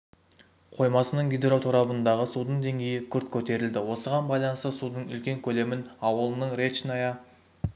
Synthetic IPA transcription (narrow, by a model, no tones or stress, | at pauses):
qʰo̞jmɑsənəɴɡʲed̪eɾo̞t̪ʰuɾɑbənd̪ɑʁəsud̪əɴd̪e̞ŋɡʲe̞jɪkʲʰʏɾt̪̚kʲʰɵt̪e̞ɾɪld̪ɪwo̞səʁɑnbɑjlˠɑnəst̪əsud̪əɴʏ̰lkʲe̞ŋkʲʰɵle̞mɪnɑwəlˠənəɴɾe̞t͡ʃnɑjɑ